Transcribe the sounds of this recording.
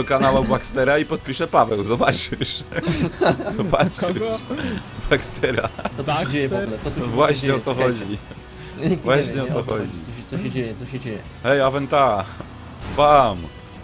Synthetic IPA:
ɔkanawabwakst̪ɛɾaipɔt̪̚pʲiʂɛpavɛwzɔbat͡ʂɘʂ | z̥ɔbat͡ʂɨ | bakst̪ɛɾa̰ad͡ʑejɛpɔlɛsvwaɕɲɛɔt̪ɔxɔd͡ʑi | vvwaɕɲɛɔt̪ɔxɔd͡ʑḭsɔɕɛɛjɛsɔɕɛd͡ʑɛjɛ | hɛjavɛnt̪a | pam

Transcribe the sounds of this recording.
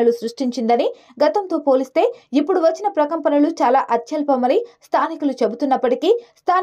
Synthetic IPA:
ɐlusɾuʂʈiɲt͡ʃind̪ɐni | ɡɐt̪ɐnt̪o̞ːpo̞ːlist̪e̞ːipːuɽuʋɐt͡ʃːinɐpɾɐkɐmpɐnɐlut͡ʃaːlaːʔɐt̪jɐlpɐmɐɾist̪ʰaːnikulut͡ʃe̞but̪unːɐpːɐʈikist̪ʰaː

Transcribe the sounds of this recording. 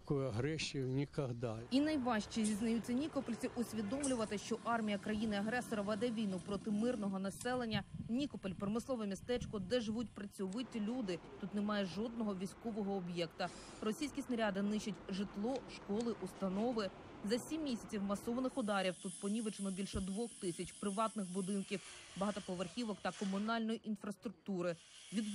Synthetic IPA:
ɐkɔjɐɦɾɛsʲijʊnʲikɐɦd̪ɑinɐjʋɑʃt͡ʃʲizʲiznɐjut͡sʲːɐnʲikɔpelʲt͡sʲiʔʊsʲʋʲid̪ɔmlʲʊʋɐt̪ɪʃt͡ʃɔʔɑrmʲijɐkɾɐjinɪɐɦɾɛsɔɾɐʋɐd̪ɛʋʲijnʊpɾɔt̪ɪmɪrnɔɦɔnɐsɛlˠenʲːɐnʲikɔpelʲpɾɔmɪslˠɔʋɛmʲist̪ɛt͡ʃkɔd̪ɛʒɪʋutʲpɾɐt͡sʲʊʋɪtʲlʲud̪ɪt̪ut̪nemɑjɛʒɔd̪nɔɦɔʋʲijsʲkɔʋɔɦɔːbjɛkt̪ɐ | rɔsʲijsʲkʲisnɐɾʲad̪ɪnɪʃɐtʲʒɪt̪lˠɔʃkɔlˠɪʔust̪ɐnɔʋɪ | zɐsʲimːʲisʲɐt͡sʲiwmɐsɔʋɐnɪxʊd̪ɑɾʲiwt̪ut̪̚pɔnʲiʋɪt͡ʃenɔbʲilʲʃɔd̪ʋɔxt̪ɪsʲɐt͡ʃpɾɪʋɑt̪nɪxbʊd̪ɪnkʲiwbɐɦɑt̪ɔp̪ˠɔʋerxʲiʋɔkt̪ɐkɔmʊnɑlʲnɔjiʔinfɾɐst̪ɾʊk̚t̪uɾɪ | ʋʲid̪

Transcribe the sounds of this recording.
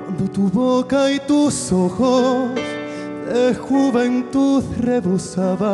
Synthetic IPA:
but̪uβokait̪usoxos | exuβent̪uðreβusaβa

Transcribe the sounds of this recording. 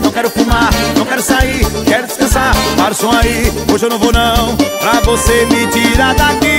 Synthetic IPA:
nɐ̃w̃kɛɾʊfumaɾnɐ̃w̃kɛɾʊsaikɛɾʊd͡ʒɪ̥skɐ̃sapaɾʊsõaioʒewnɐ̃w̃vonɐ̃w̃pɾavosemɪtiɾaɾd̪aki

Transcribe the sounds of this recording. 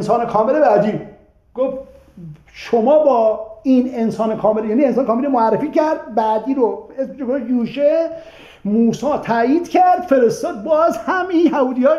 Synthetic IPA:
nsɒːnekʰɒːmelebæd̪iːb | ɡ̥of | ʃomɒːbɒːinensɒːnekʰɒːmeljæːniensɒːnkʰɒːmelomoærːefiːcæɾd̪̚bæd̪iːɾoesmeʃekojuːʃe | muːsɒːt̪ʰæjiːd̪cʰæɾd̪̥fe̞ɾest̪ɒːd̪̚bɒːzhæminhæuːd̪ijɒː

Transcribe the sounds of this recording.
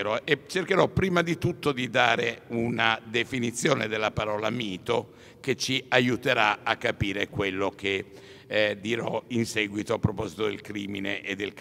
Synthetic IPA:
ɾɔʔet͡ʃerkeɾɔpːɾiːmad̪it̪ut̪ːod̪id̪aːɾeunad̪efinit̪sːjoːned̪elːapaɾɔːlamiːt̪o | k̟et͡ʃːiajut̪eɾaakːapiːɾekwelːok̟e | d̪ːiɾɔinsɛɡwit̪oapːɾopɔzit̪od̪elkɾiːmineʔːd̪ːelk

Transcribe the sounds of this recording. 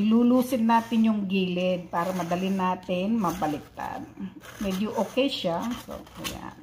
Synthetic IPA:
luːluːsɪnːaːt̪ɪnjʊŋɡiːlɪd̪̚paːɾɐmɐd̪ɐlɪnaːt̪ɪnmɐbɐlɪt̪a̰d̪mɛd̪jʊʔokɛʃaso̰kɐ̰ja̰

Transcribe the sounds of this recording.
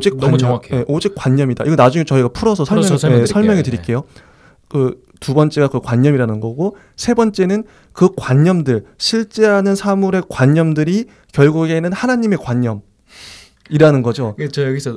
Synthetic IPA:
d͡ʑikkkʰeje̞ʔod͡ʑik͈waɲːʌmida̰ʔiɡʌnad͡ʑuŋet͡ɕʌiɡapʰuɾʌsʰʌsʰʌmʌesʰʌɭmjʌŋitɯɾik͈e̞jo | kɯ | tubʌnt͡ɕ͈e̞ɡakɯkwaɲːʌmiɾanɯnɡʌɡo | sʰe̞bʌnt͡ɕ͈e̞nɯn | kɯkwaɲːʌmdɯɭɕʰiɭt͡ɕ͈e̞ɦanɯnsʰamuɾe̞kwaɲːʌmdɯɾi | kjʌɭɡuɡe̞nɯnhanaɲime̞kwaɲːʌm | iɾanɯnɡʌd͡ʑojɡis

